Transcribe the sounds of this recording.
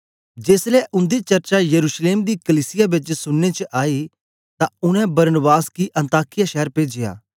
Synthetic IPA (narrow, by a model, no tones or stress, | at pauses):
d͡ʒeːslɛʔʊ̃nd̪it͡ʃɐɾt͡ʃajɐɾuːʃleːmd̪ikɐliːsɪjabɪt͡ʃsʊnːet͡ʃʔaːi | t̪ãʊɽ̃ɛ̃bɐɾnbaːskiʔɐ̃nt̪aːkɪjaʃɛɦəɾpeːd͡ʒɪja̰ː